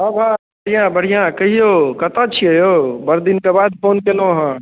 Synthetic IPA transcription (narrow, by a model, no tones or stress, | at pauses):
ɦãbʱabəɽ̤ijãbəɽ̤ijãkəɦijokət̪at͡ʃʰiɦəjobəɾd̪inkebad̪̚pʰonkeloɦə̃